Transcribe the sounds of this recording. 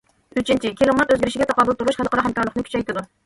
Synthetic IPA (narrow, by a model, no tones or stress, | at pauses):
yt͡ʃʰint͡ʃʰikʲʰilˠɑmɑt̪øzɡʲɪɾɪʃɪɡʲɛt̪ʰɑqɑbʊlˠt̪ʰuɾuʃχælˠqʰɑɾɑɦɛmkɑɾlˠəχnɨkʲʰyt͡ʃʰɛjt̪ʰɨd̪u